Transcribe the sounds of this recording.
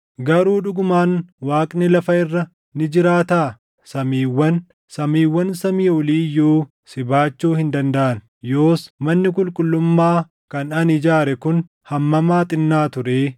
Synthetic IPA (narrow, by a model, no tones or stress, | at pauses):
ɡɐɾuːᶑʊɡʊmaːnwaːkʼnɪlɐfɐɪrːɐ | nɪd͡ʒɪɾaːt̪aː | sɐmiːwːɐn | sɐmiːwːɐnsɐmiːʊliːjuː | sɪbaːt͡ʃːuːhɪnd̪ɐnd̪ɐʔɐn | jo̞ːsmɐnːɪk̬ʼʊlkʼʊlːʊmːaː | kɐnɐnɪd͡ʒaːɾɛkʊn | hɐmːɐmaːt̪ʼɪnːaːt̪ʊɾeː